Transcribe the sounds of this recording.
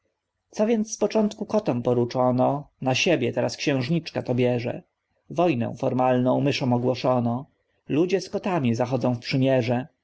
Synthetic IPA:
t̪sɔvʲjɛnt̪sspɔt͡ʂɔnt̪kukɔt̪ɔmpɔɾut͡ʂɔnɔnaɕebʲjɛt̪ɛɾaskɕɛ̃w̃ʐɲit͡ʂkat̪ɔbʲjɛʐɛ̰ | vɔjnɛ̰̃w̃fɔɾmalnɔ̃w̃mɘʂɔ̃w̃ɔɡwɔʂɔnɔ | lud͡ʑɛskɔt̪amʲizaxɔd̪zɔ̃w̃fpʂɘmʲjɛʐɛ

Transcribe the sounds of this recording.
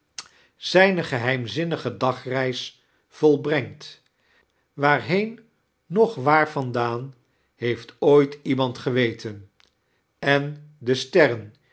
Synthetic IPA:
z̥ɛjnəχəɦɛjmzɪnəχədɑχrɛjs | fɔlˠbrɛŋt | ʋaːɹɦejnː | ɔχʋaːɹvɑndaːn | ɦejftojtimɑntχəʋejtən | ɛndəstɛrən

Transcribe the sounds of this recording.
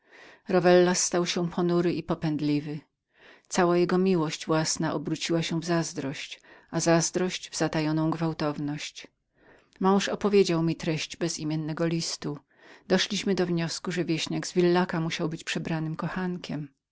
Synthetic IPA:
ɾɔvɛlːast̪awɕɛpʰɔnuɾɘʔipɔpɛnd̪lʲivɘ | t̪sawajɛɡɔmʲiwɔɕd͡ʑvwasnaʔɔbɾut͡ɕiwaɕɛ̃vzazd̪ɾɔɕt͡ɕazazd̪ɾɔɕd͡ʑvz̥at̪ajɔnɔ̃w̃ɡvawt̪ɔvnɔɕt͡ɕ | mɔ̃w̃ʂɔpɔvʲjed͡ʑawmʲit̪ɾɛɕd͡ʑbɛzimʲjɛnːɛɡɔlʲist̪u | d̪ɔʂlʲiɕmɘd̪ɔvɲɔskuʐɛvʲjeɕɲaɡzvʲilːakamuɕawbɘt͡ɕpʂɛbɾanɘmkɔxankʲʰɛm

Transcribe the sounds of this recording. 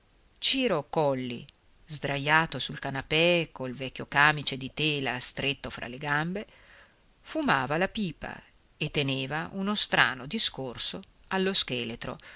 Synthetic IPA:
t͡ʃiːɾokɔlːḭ | zd̪ɾajːaːt̪osulkanapɛkolvɛkʲːokaːmit͡ʃed̪it̪eːlast̪ɾet̪ːofɾa̰leɡambe | fumaːvalapiːpa̰ | et̪ːeneːvaʔunost̪ɾa̰ːnod̪iskorso | alːoskeːlet̪ɾo̰

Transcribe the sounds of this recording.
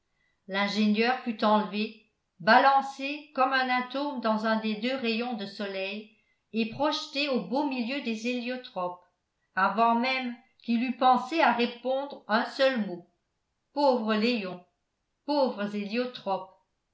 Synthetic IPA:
lɛ̃ʒeɲjœːʁfyt̪ɑ̃lve | balɑ̃sekɔmɛ̃nɛ̃t̪oʁmd̪ɑ̃zɛ̃d̪ed̪øʁejɔ̃d̪əsɔlɛj | epχɔʃt̪eobomiljød̪ezeljot̪χɔp̚ | avwɑ̃mɛm | kilypɑ̃seaʁepɔ̃d̪ʁœ̃sœlmo | povʁəlejɔ̃ | povʁəzeljot̪χɔp

